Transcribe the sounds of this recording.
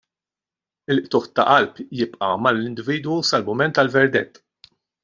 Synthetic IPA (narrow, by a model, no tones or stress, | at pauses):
ɪlʔt̪ʊħt̪ɐʔɐlpjɪpʼʔɐmɐlːɪnd̪ɪviːd̪wusɐlmʊmɛnt̪ɐlvɛɾd̪ɛt̪ː